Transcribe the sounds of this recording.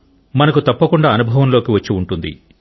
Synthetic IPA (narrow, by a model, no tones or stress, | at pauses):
mɐnɐkut̪ɐpːɐkuɳɖaːɐnubʱɐʋɐmlo̞ːkiʋɐt͡ʃːiuɳʈund̪ḭ